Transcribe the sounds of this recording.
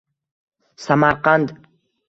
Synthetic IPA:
samaɾqand̪

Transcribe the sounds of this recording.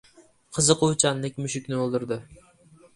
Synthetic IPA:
qʰɨzɨqʊt͡ʃʰanlɪk̚ʲmʊʃɪkʲnɪolˠd̪ɪɾd̪ɪ

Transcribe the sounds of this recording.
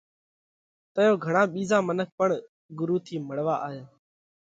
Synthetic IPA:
t̪əjoːɡʱəɳãːɓiːzãːmənək̚pəɳ | ɡʊɾuːt̪ʰiːməɽʋaːʔaːjaː

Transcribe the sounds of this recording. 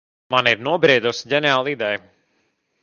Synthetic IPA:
maniɾnuɔbɾiːd̪usɟʲɛnɛaːlˠid̪ɛj

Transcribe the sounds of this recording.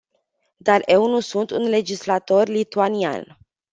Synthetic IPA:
d̪are̞wnusunt̪unle̞d͡ʒislat̪o̞rʲlit̪uania̰n

